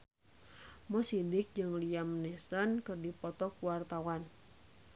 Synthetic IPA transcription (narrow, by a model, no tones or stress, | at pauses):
mɔsidɪk̚d͡ʒɨŋliamnɛsɔnkɨrdipɔt̪ɔkuwart̪awan